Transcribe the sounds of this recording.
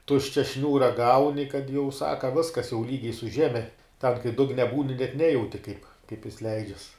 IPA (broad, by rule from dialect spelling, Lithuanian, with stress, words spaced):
ˈtʊʃʲt͡ʃʲɛ ˈʃʲnʲuːrɐ ˈɡɐʊnʲɪ kɐt jɛʊ ˈsɑːkɐ ˈʋʲɪskɐs jɛʊ ˈlʲiːɡʲɛɪ sʊ ˈʒʲæːmʲɛ tʲɛn kɐɪ ˈdʊɡnʲɛ ˈbuːnʲɪ nʲɛt ˈnʲæːjɛʊtʲɪ kɐɪp kɐɪp jɪs ˈlʲɛɪd͡ʒʲɛs